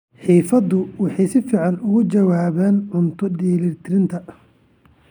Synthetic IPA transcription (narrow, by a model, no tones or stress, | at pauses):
ħiːfɐðʊwɑħɑjsɪfiːʕɑnʊɣʊt͡ʃɐwaːβɛːnʕʊnt̪ʰʊdiːliːrt̪ʰɪɾɪnt̪ʰɐ